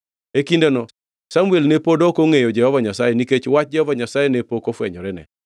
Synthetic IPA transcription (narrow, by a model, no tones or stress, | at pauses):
ekindenɔ | samuelnepodokoŋejɔd͡ʒɛhɔvaɲasajeniket͡ʃwat͡ʃ̚d͡ʒɛhɔvaɲasajenepokofwɛ̰ɲɔɾɛnɛ̰